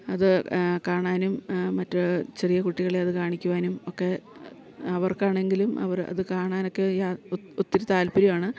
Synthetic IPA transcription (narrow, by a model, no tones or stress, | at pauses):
ɐðɨkaːɳaːnumːɐtːɨt͡ɕe̞rijɐkuʈːiɣɐɭeɐðɨkaːɳikʲːuʋaːnumokːe̞ | ɐʋɐrkaːɳe̞ŋɡilumɐ̰ʋɐrɐ̰ðɨkaːɳaːno̞kːe̞jaut̪ːɐɾut̪aːlpɐɾimaːɳɨ